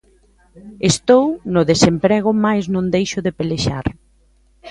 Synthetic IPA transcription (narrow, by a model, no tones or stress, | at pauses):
est̪ownʊðesempɾɛɣ̞ʊmajznõnd̪ejʃʊðepeleʃa̰ɾ